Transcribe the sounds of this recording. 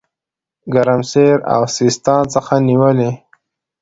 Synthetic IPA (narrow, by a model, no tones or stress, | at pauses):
ɡaɾamseɾa̰wsist̪ɑnt͡səxaniwəle